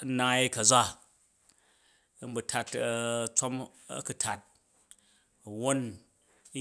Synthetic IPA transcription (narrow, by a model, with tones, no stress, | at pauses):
na˧ji˦kɐ˨d͡za˦˨ | m̩˦bu˨tʰa˧tɐ˦˧t͡sʷa˦m | ɐ̰˦ku˨tʰa˨t̚ | wo˦n˦